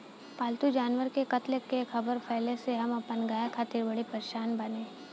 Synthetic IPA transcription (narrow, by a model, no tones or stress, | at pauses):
paːlt̪ud͡ʒaːnʋəɾkekɐt̪lekːekʰɐbəɾpʰɛːleseɦɐmɐpənɡaːjakʰaːt̪ɪɾbɐɽipɐɾeʃaːnbɐnẽː